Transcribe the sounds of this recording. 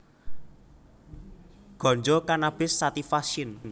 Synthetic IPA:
ɡ̥ɔ̤ɲd͡ʒɔkanab̥ɪ̤sːat̪ifaʃinn

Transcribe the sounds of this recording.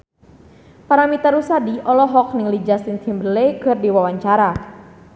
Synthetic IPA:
paɾamit̪aɾusadiʔɔlɔɦɔknɪŋlid͡ʒasint̪ʰimbəlekərdiwawaɲt͡ʃaɾa

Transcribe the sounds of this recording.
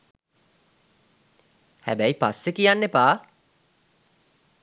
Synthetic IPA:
hæbæipasːekijanːepaː

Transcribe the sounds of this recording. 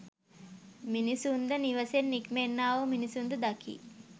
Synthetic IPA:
minisund̪əniʋəsenːikmenːaːʋəminisund̪əd̪akʰḭː

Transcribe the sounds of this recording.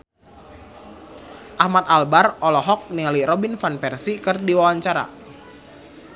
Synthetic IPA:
ʔahmat̪̚albarɔlɔɦɔk̚nialiɾɔbinfanpɛrsikɨrdiwawaɲt͡ʃaɾa̰

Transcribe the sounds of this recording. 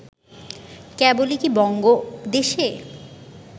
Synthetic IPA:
kɛbolikibɔŋɡod̪eʃe

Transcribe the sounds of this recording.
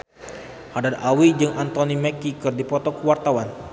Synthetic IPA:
hadarawid͡ʒɨŋant̪onimɛkikɨrdipɔt̪ɔkəwart̪awan

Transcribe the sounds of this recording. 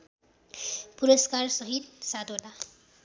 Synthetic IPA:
puɾʌskarsʌɦit̪̚sad̪ʱola

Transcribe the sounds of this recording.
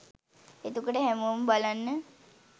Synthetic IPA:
et̪ukəʈəɦæmoməbalanːə

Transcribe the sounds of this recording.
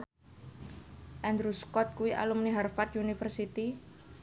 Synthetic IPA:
ʔɛnd̪ɾuskɔt̪̚kuwiʔa̰lumniɦarfat̪̚unifərsit̪i

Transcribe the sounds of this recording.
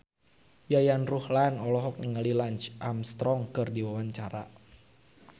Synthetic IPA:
jajanruhlanɔlɔɦɔk̚niŋalilaɲt͡ʃʔamst̪ɾɔŋkɨrdiwawaɲt͡ʃaɾa̰

